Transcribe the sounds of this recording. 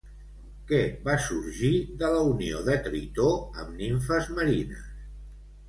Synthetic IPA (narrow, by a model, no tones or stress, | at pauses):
kɛβasuɾʒiðələunioðət̪ɾit̪oəmniɱfəzməɾinə̰s